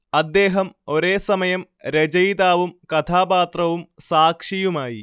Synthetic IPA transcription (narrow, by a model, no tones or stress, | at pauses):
ɐd̪ːe̞ːɦɐmo̞ɾe̞ːsɐmɐjɐm | ɾed͡ʑɐjd̪aːʋumkɐt̪ʰaːpaːt̪rɐʋumsaːkʂijumaːji